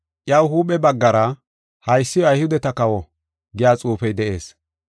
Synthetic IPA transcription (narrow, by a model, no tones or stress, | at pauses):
ʔjɐwhuːpɛbɐɡːɐɾɐ | hɐjsːɪjɔɐjhʊd̪ɛt̪ɐkɐwɔ | ɡɪjaːt͡sʼuːfɛjd̪ɛʔe̞ːs